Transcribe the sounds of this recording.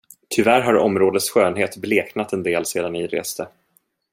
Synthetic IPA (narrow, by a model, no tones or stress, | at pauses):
t̪ʰʏvæɾɦaɾɔ̰mɾoːd̪ət̪sɧøːnɦeːt̪bleːknat̪ɛnd̪eːlseːd̪anɪɾḛːst̪ə